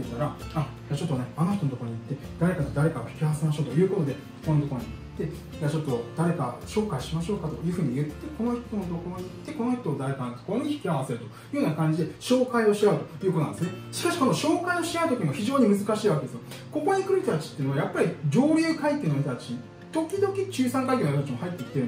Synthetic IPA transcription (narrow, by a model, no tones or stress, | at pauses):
t̪ːaɾaa | jat͡ɕo̞t̪ːone̞ano̞çʲitonot̪ooɾoɲ̟it̪ːe̞d̪aɾe̞kat̪od̪aɾe̞kaoçi̥kʲiaβase̞maɕo̞ːt̪o̞jɯ̟ːko̞t̪o̞d̪e̞ | konot̪okoɾoɲ̟it̪ːe̞ | jat͡ɕo̞t̪ːo̞d̪̥aɾe̞kaɕo̞ːkaiɕimaɕo̞ːkat̪o̞jɯ̟ːɸɯ̟ːɲ̟ijɯ̟t̪ːe̞ko̞noçi̥t̪o̞not̪o̞ko̞ɾoɲ̟iit̪ːe̞ko̞no̞çʲt̪oːd̪aɾe̞kanãsokoɾɲ̟içi̥kʲiaβase̞ɾɯ̟t̪o̞jɯ̟jɯːnakãɲ̟d͡ʑid̪e̞ɕo̞ːkaio̞ɕiaɯ̟t̪o̞jɯ̟koonãd̪sneɕi̥kaɕi̥ko̞no̞ɕo̞ːkaio̞ɕiaɯ̟t̪o̞kʲiɲioçiʑo̞ːɲ̟imɯ̟zɨkaɕiːβake̞d̪esɨjo | ko̞ko̞ɲ̟ikɯ̟ɾɯt̪t̪at͡ɕi̥t̪ːei̟noajapːaɾʲiʑo̞ːɾʲjɨːkaike̞nojt̪t̪at͡ɕiɲ | t̪o̞kʲid̪o̞kʲit͡ɕɨːsãŋkaik̬e̞njt̪at͡ɕimohait̪ːekʲi̥t̪eɾɯn